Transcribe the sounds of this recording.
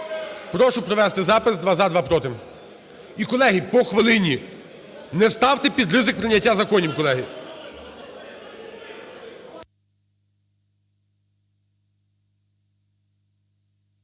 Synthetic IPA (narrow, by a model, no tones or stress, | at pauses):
pɾɔʃʊpɾɔʋɛst̪ɪzɑpɪsd̪ʋɑzad̪ʋɑpɾɔt̪ɪm | ikɔlˠɛɦipɔxʋɪlˠɪnʲi | nɛst̪ɑwt̪ɪpʲid̪rɪzɪk̚pɾɪnʲːɐtʲːazɐkɔnʲiwkɔlˠɛɦi